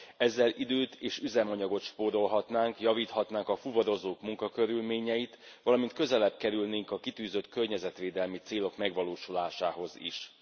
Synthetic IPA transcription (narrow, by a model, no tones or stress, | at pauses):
ɛzːɛlʔid̪øːt̪ʰeːʃyzɛmɒɲɒɡo̞t̪ʃpoːɾo̞lɦɒt̪naːŋkjɒviːt̪hɒt̪naːŋkɒfuvɒɾo̞zoːkmuŋkɒkø̞ɾylmeːɲɛjit̪ʋɒlɒmint̪kø̞zɛlɛb̚kɛɾylneːŋkɒkit̪yːzø̞t̪kø̞rɲɛzɛt̪ʋeːd̪ɛlmit̪seːlo̞kmɛɡʋɒloːʃulaːʃaːɦo̞zḭʃ